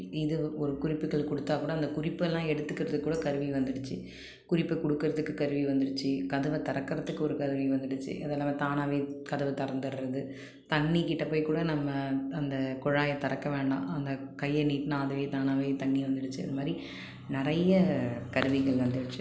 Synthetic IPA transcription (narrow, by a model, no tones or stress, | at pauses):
ɪðɯɔɾɯkʊɾɪpːɯɣɐɭkɔɽɯt̪ːaːkuːɽɐːnd̪ɐkʊrɪpːɯɛlːãːɛɽɯt̪ːɯkːɪɾɐðɯkːuːɽɐkɐɾɯʋiʋɐnd̪ɪɽɯt͡ʃːɯ | kʊɾɪpːɯkɔɽɯkːɯɾɐðɯkːɯkɐɾɯʋiʋɐnd̪ɪɽɯt͡ʃːɯkɐðɯʋɐt̪ɐɾɐkːɪɾɐðɯkːɯɔɾɯkɐðɯʋiʋɐnd̪ɪɽɯt͡ʃːɯ̰ʔɐðɛːlːaːmeːt̪aːnaːʋeːkɐðɯʋɐt̪ɐɾɐnd̪ɐɾɾɐðɯ | t̪ɐɳːikɪʈːɐpoːjkuːɽɐnɐmːɐɐnd̪ɐkɔɻaːjɐt̪ɐɾɐkːɐʋeːɳɖã̰ːʔɐnd̪ɐkɐjːɐniːʈːnaːðɐʋeːt̪aːnaːʋeːt̪ɐɳːiʋɐnd̪ɪɽɯt͡ʃːɯɐ̰ðɐmaːd̪ɾi | nɪɾɐjɐkɐɾɯʋɪɣɐɭʋɐnd̪ɯɽɯt͡ʃːɯ